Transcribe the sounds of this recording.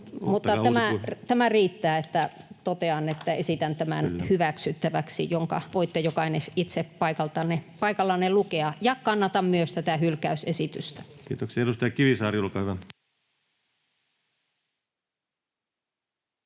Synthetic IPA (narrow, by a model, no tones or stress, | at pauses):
mut̪ːɑæmæt̪æmæriːt̪ːæːet̪ːæt̪ot̪eɑnet̪ːæesit̪ænt̪æmæ̰nhyʋæksyt̪ːæʋæksḭjoŋkɑ̰ʋoit̪ːejokɑinesit̪seppɑikɑlt̪ɑnepɑikɑlːɑnelukeɑjɑkɑnːɑt̪ɑmmyøst̪æt̪æhylkæysesit̪yst̪æ̥kḭːt̪oksiɑeɾust̪ɑjɑkiʋisɑːriulkɑhyʋæ